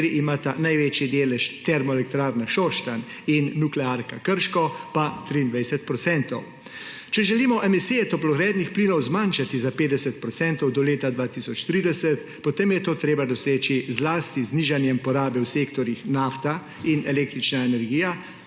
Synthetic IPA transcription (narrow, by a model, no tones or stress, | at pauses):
ɾiʔimaːt̪anajʋeːt͡ʃjid̪eːlɛʃt̪ɛɾmɔɛlɛk̚t̪ɾaːɾnaʃɔʃt̪an | inːuklɛaːɾkakəɾʃkɔpat̪ɾiːnd̪ʋajsɛt̪̚pɾɔt̪sɛnt̪ɔw | t͡ʃɛʒɛliːmɔʔɛmisijɛt̪ɔplɔɣɾɛːd̪nixpliːnɔwzmanʃat̪izapeːd̪ɛsɛt̪̚pɾɔtsɛnt̪ɔwd̪ɔleːt̪ad̪ʋaːt̪isɔt͡ʃt̪ɾiːd̪ɛsɛt̪ | pɔt̪emjɛt̪oːt̪ɾeːbad̪ɔseːt͡ʃizlaːst̪izniːʒanjɛmpɔɾaːbɛwseːkt̪ɔɾjixnaːft̪a | inɛleːk̚t̪ɾit͡ʃnaɛnɛɾɡiːja